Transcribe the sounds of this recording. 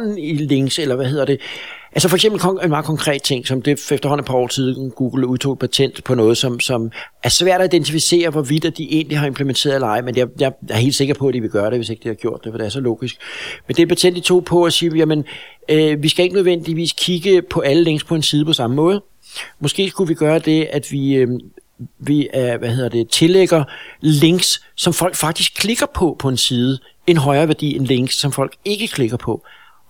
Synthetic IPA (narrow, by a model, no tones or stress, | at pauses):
n̩ile̝ŋselɐʋæhe̝ð̞̰ˠɐd̥e̝ʔælsəfɒ̽eɡ̥semb̥l̩kʰenmɑ̈ːð̩ˠkʰɒ̽ŋkʰʁɛ̰ːd̥̚t͡sʰe̝ŋ̰sɒ̽md̥e̝fefd̥ɐɦhɒ̽n̩e̥pʰɑ̈ɒ̰ːsʰiðˠɡ̥uːɡ̥l̩uðˠt͡sʰo̝̰̥ːpʰæt͡sʰen̰d̥pʰɒ̽nɔ̽ːð̞̩ˠsɒ̽msɒ̽mæɐsʋæɐ̰ɾ̥ɒid̥ent͡sʰifise̝̰ːɐʋɒʋid̥æd̥iʔe̝ːnliɦɑ̈e̝mpʰlement͡sʰḛːɐð̩ˠelɑ̈ɪmenjajɑ̈ɪjɐhe̝̰ldse̝ɡ̥ɐpʰɒ̽æd̥iʋe̝ɡ̥ɶːɐɾe̝ʋe̝se̝ɡ̥əd̥ihɑ̈ɡ̥jo̝ɐ̰d̥ːefɒd̥e̝æɐsɒ̽lɔ̰ːɡ̥isɡ̥mend̥e̝pʰæt͡sʰen̰d̥it͡sʰo̝̰ːpʰɒ̽æsiːjæmən | ʋisɡ̥æe̝ɡ̥ənøðˠʋen̰d̥iʋḭːskʰiɡ̥əpʰɒ̽ʔæləle̝ŋ̰spʰɒ̽e̝nsiːð̞̩ˠpʰɒ̽sɑ̈məmɔ̽ːð̞̩ˠ | mɒ̽sɡ̥e̝̰ːskuʋiɡ̥ɶːɐd̥e̝æd̥ʋi | ʋiæʋæhe̝ð̰ˠɐd̥e̝t͡sʰe̝leɡ̥ɐle̝ŋ̰ɡ̥sːɒ̽mfɒ̽l̰ɡ̥fɑ̈ɡ̥d̥isɡ̥̚kʰle̝ɡ̥ɐpʰɒ̽pʰɒ̽e̝nsiːð̞ˠə | e̝nɦɒ̽ɪɐːʋæɐd̥ḭe̝nle̝ŋ̰̥sːɒ̽mfɒ̽l̰ɡ̥e̝ɡ̥əkʰle̝ɡ̥ɐpʰɒ̽